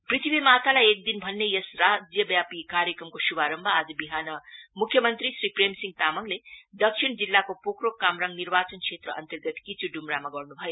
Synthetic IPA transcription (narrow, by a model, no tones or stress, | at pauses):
pɾit̪ʰibʱimat̪ʰalajek̚d̪inbʱʌnːejesɾad͡ʒjʌbjapikaɾjekɾʌmkosubaɾʌmbʱʌad͡ʒɐbiɦanʌmukʰːjʌmʌnt̪ɾisɾipɾemsiŋt̪amʌŋled̪ʌksʰind͡zilːakopokɾokamɾaŋniɾbat͡ʃʌnkʰet̪ɾʌ̰ʔʌ̰nt̪ɐɾɡʌt̪kit͡ʃuɖumɾamaɡʌɾnubʱʌjo